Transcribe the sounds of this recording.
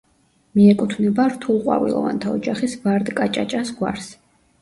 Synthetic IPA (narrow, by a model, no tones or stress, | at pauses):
miɛkʼut̪ʰvnɛbaɾt̪ʰulˠqʼwa̰vḭlˠɔ̰va̰nt̪ʰaɔd͡ʒaχisvaɾd̪kʼat͡ʃʼat͡ʃʼasɡwa̰ɾs